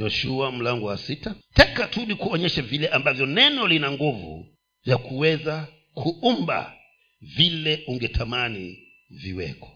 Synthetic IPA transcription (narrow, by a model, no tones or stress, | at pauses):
jɔʃuam̩laŋɡɔwasitatɛkatuɗikuɔɲɛʃavilɛʔambavjɔnɛnɔlinaŋɡuvṵ | vjakʰuwɛza | kʰuumba̰ | vilɛuŋɡɛtʰamani | viwɛ̰kɔ̥